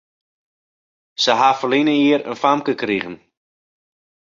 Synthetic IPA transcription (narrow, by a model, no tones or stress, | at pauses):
səɦafəlinəiəɾə̰nfamkəkriɣən